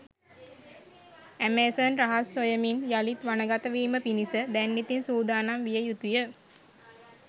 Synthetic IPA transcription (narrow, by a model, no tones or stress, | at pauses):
æmeːsonraɦasːojəminjalit̪ʋanəɡat̪əʋiːməpinisəd̪ænːit̪insuːd̪aːnamʋijəjut̪ujə